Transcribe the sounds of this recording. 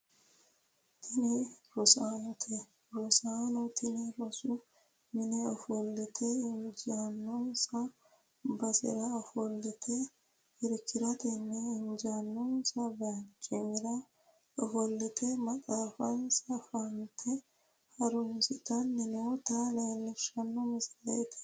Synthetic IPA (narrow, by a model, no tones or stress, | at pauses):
t̪ʰɪniɾɔsaːnɔt̪ʰe | ɾɔsaːnɔt̪ʰɪniɾɔsu | mɪnɛɔfɔlːɪt̪ʰeɪnd͡ʒaːnːɔnsa | bɐsɪ̰ɾafɔlːɪt̪ʰe | ɪɾkʰːɪɾɐt̪ɛnːɛɪnd͡ʒanːɔnsabɛjɐnt͡ʃʼɛmɪɾa | ɔfɔlːɪt̪ʰemɐtʼaːfɐnsɐfant̪ʰɛ | hɐɾʊmsɪt̪ɐnːɪnoːt̪aːlɐjlːɛʃɐnːɔmɪslɐt̪ʰɛ̥